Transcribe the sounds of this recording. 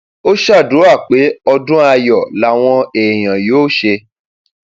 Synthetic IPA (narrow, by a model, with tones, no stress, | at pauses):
o˦ʃa˦˨du˨˦a˦˨k͡pe˨˦ɔ˧dũ˦a˧jɔ˨la˦w̃ɔ̃˧e˨j̃ã˨joː˦ʃe˧